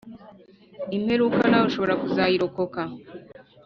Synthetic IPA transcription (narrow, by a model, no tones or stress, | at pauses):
im̥heɾukanawuʃo̞βo̞ɾakuzajiɾoko̞ka